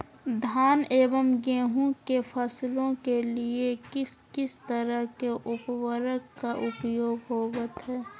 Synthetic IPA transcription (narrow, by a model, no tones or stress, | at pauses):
d̪ʱaːneːʋəmɡẽːɦũkefʰəslõkeliekɪskɪst̪əɾəɦkeʔʊpwəɾəkkaʔʊpjoːɡɦoːwət̪ɦɛː